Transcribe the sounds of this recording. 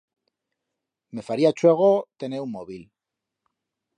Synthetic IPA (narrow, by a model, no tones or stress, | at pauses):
me̞faɾiat͡ʃweɣ̞ot̪e̞neummoβil